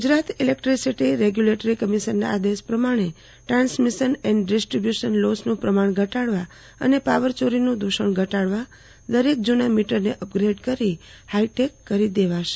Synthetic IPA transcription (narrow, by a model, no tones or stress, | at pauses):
ɡʊd͡ʒɾat̪ilek̚ʈɾisiʈiɾeɡjuleʈəɾikəmiʃəɾna̰ːd̪espɾəmaɽ̃e | ʈɾãnsmiʃənɛɳɖɖisʈɾibjuʃənlosnũpɾəmaɳ̃ɡʱəʈaɽʋa | ə̰nepaʋəɾt͡ʃoɾinũd̪uʃəɳɡʱəʈaɽʋa | d̪əɾek̚d͡ʒunamiʈəɾneʔəp̚ɡɾeɖkəɾihaiʈekːəɾid̪eʋaʃe̥